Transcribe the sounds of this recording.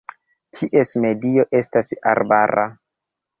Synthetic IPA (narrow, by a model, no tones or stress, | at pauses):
tʰiʔe̞sme̞dio̞ʔe̞stasa̰ɾbaɾa̰